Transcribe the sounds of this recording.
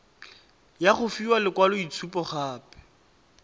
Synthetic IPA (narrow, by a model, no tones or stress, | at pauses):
jaχʊfiwalɪkwalʊit͡sʰupɔχaːpɛ̥